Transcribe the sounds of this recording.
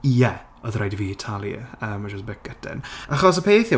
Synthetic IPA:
ijɛ | ɔðrajdviːitʰalˠjə̰əːmad͡ʒɔsbɪk̚ɛtʰɛ̰naχɔs̬əpʰeːθjə

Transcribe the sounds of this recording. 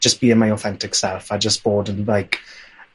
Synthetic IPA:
d͡ʒʌsb̥iːɪ̃nmaɪɔθɛ̃ntɪksɛlˠfaɪd͡ʒʌsb̥ɔːdən̩laɪk

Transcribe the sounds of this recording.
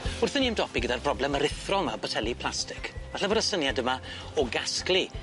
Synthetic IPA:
ʊrθəniəmdɔpiɡədarbrɔblɛməɾɪθrɔlˠmabɔtʰɛlˠipʰlˠastɪ̥kvaɬavəɾəsənjadəma | ɔɡasklˠi

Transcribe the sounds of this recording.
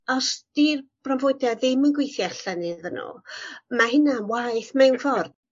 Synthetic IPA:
ɔsd̥iːrb̥ranvoɨdaðɪmənɡwejθjaɬɛnɪðənṵmahɪnanwajθmɛnfɔrd̥

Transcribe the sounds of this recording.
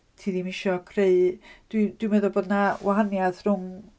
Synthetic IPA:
tʰiːdimɪʃɔkʰreɨd̥wid̥wimɛðɔboːdnawʔaɦanjaðrʊŋ

